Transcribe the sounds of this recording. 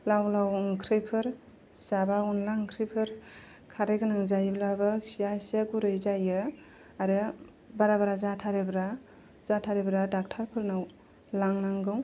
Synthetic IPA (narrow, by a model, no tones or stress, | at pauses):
lawlawŋkʰɾɯjpʰɯɾ | sabaunlaŋkʰɾɯjpʰɯɾ | kʰaɾɯjɡɯnaŋzajblabɯsijasaɡuɾɯjzajɯ | aɾɯ | baɾabaɾazatʰaɾebɾa | z̥atʰaɾebɾadak̚tʰaɾpʰɯɾnaw | laŋnaŋɡɯw